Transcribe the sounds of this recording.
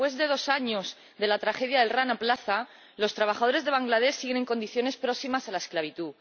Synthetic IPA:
we̞zðe̞ðo̞saɲoz | ðe̞lat̪ɾaxe̞ðjaðelranaplaθa | lo̞st̪ɾaβ̞axaðo̞ɾe̞zðe̞β̞aŋɡlað̞e̞sːiɣe̞neŋko̞nd̪iθjo̞ne̞spɾo̞ksimasalaesklaβ̞it̪u

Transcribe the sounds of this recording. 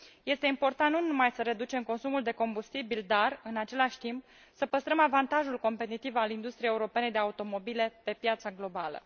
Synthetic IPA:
je̞st̪e̞impo̞rt̪annunnumajsəɾe̞d̪ut͡ʃe̞mko̞nsumuld̪e̞ko̞mbust̪ibild̪arɨnat͡ʃe̞laʃʲt̪imp | səpəst̪ɾəmavant̪aʒulko̞mpe̞t̪it̪ivalind̪ust̪ɾijejeuɾo̞pe̞ned̪eaut̪o̞mo̞bile̞pe̞pjat̪saɡlo̞balə̰

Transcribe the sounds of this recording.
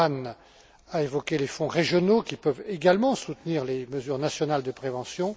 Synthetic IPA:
an | aevɔkʲelefɔ̃ʁeʒjɔnokʲipœveɡalmɑ̃sut̪niʁleməzyʁnasjɔnald̪əpχevɑ̃sjɔ̃

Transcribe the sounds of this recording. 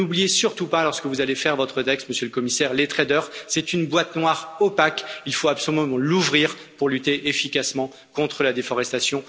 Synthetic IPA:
ublijesyʁt̪upalɔʁskəvuzalefɛʁvɔt̪χət̪ɛkst̪məsjøləkɔmisɛʁlet̪χed̪œʁsɛt̪ynbwat̪nwaʁopakilfoapsɔlymɑ̃luvʁiʁ | puʁlyt̪eʔefikasmɑ̃ | kɔ̃t̪χəlad̪efɔʁɛst̪asjɔ̃

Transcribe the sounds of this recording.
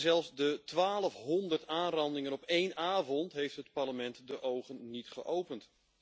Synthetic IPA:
zɛlˠfsdətʋaːləfɦɔndərtaːnrɑndɪŋənɔpejnaːvɔntɦejftɦətparləmɛntdəʔowχənːitχəʔowpənt

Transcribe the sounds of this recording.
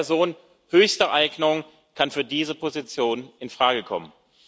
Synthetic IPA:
ɐzoːn | høːçstəʔaɪɡnəʊŋ | kʰanfyːɐdiːzəpʰozit͡sjoːnʔɪnfʁ̥aːɡəkʰɔ̰mən

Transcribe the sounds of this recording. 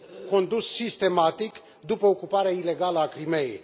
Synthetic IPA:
ko̞nd̪usːist̪e̞mat̪ik | d̪upəokupaɾeaile̞ɡaləakɾime̞jḛj

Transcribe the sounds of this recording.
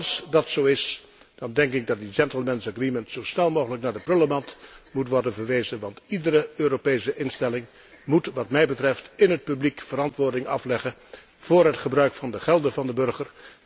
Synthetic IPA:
sdɑtsowɪs | d̥ɑndɛŋkɪɡ̚dɑt̚did͡ʒɛntl̩ˠmɛnsəɡriməntsowsnɛlˠmowɣələknaːɹdəprɵləmɑntmutʋɔɹdənvəɹʋejzənʋɑntidəɾəøːɾopejsəʔɪnstɛlɪŋ | mutʋɑtmɛjbətrɛftɪnɦət̚pyblikfəɾɑntʋʊːɹdɪŋɑ̰flɛχə | v̥ʊːrɦətχəbrœɥkfɑndəχɛlˠdəvɑndəbɵrɹχər

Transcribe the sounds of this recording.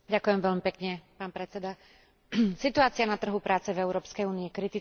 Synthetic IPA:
ɟakʊjɛmʋɛʎmipɛkɲɛpaːnpɾɛt͡sɛd̪a | sit̪uaːt͡sɪanat̪r̩ɦupɾaːt͡sɛvɛʊɾɔːpskɛjuːniːkɾit̪i

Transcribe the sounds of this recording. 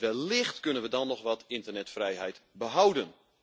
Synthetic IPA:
ʋɛlˠlɪxtkønənʋədɔnːɔxʋɔtɪntərnɛtfrɛjɦɛjtbəɦawdən

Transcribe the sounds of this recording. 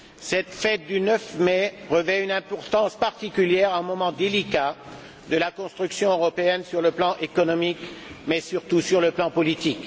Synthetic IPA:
sɛt̪fɛt̪̚d̪ynœfmɛʁəvɛynɛ̃pɔʁt̪ɑ̃spaʁt̪ikʲyljɛʁãɛ̃mɔmɑ̃d̪elika | d̪əlakɔ̃st̪χyksjɔ̃øʁɔpeɛnsyʁləplɑ̃ʔekɔnɔmikmɛsyʁt̪usyʁləplɑ̃pɔlit̪ik

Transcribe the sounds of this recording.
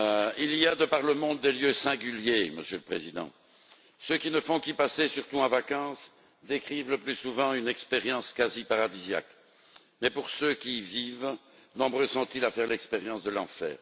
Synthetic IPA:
iliad̪əpaʁləmɔ̃d̪ːeljøsɛ̃ɡʲyljemə̰sjøləpχḛzid̪ɑ̰̃ | søkʲinəfɔ̃kipasesyʁt̪uɑ̃vakɑ̃s | d̪ekχivləplysuvɑ̃ynɛkspeʁjɑ̃skazipaʁad̪izja̰k | mɛpuʁsøkʲiviːv | nɔ̃bʁøsɔ̃t̪ilafɛʁlɛkspeʁjɑ̃sd̪əlɑ̃fɛ̰ːʁ

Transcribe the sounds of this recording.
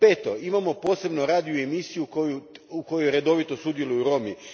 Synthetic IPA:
peːt̪o̞imamo̞po̞ːse̞bnoɾaːd̪ioemisijukojuuko̞jojɾe̞d̪o̞ʋit̪o̞sud̪je̞lujuɾo̞mi

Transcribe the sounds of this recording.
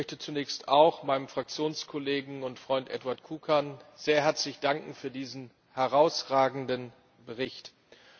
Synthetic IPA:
mœçtət͡sunɛːçstaʊxmaɪnəmfʁ̥ak̚t͡sjoːnskʰɔleːɡŋ̩ʊntfʁ̥ɔʏntʔɛ̰tvaɐtkʰuːkʰɐnz̥eːɐɦɛɐt͡slɪçd̥aŋkŋ̩fyːɐdiːzn̩ | hɛʁaʊsʁaːɡŋ̩dən | bəʁɪçt

